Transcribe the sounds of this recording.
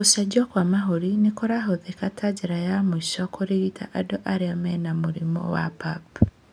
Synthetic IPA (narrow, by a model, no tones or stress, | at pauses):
kosad͡ʒɔkwamaɦoɾinekoɾaɦoðekatʰad͡ʒeɾajamoiʃɔkoɾeɾita̰ʔadoʔaɾeamɛnamoɾemɔ̰wa̰pap